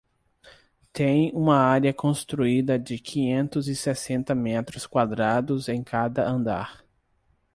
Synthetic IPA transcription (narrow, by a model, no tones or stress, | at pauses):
t̪ẽj̃ũmɐaɾɐkõst̪ɾuid̪ɐd͡ʒɪkʰĩɲẽnt̪ʊzɪsesẽnt̪ɐmɛt̪ɾʊskwad̪ɾad̪ʊzẽj̃kʰad̪ɐʔɐ̃nd̪a̰ɾ